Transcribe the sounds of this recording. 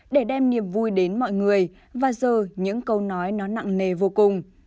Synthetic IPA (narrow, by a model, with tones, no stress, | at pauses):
ɗe˧˩ɗɛ˧mni˨˩əmvu˧jɗe˨˦nmɔ̰˧˨jŋɨ˨˩əj | vaː˨˩zəː˨˩ɲɨ̰˧˥ŋkə˧wnɔ˨˦jnɔ˨˦na̰˧˨ŋne˨˩vo˧kʊ˨˩ŋ͡m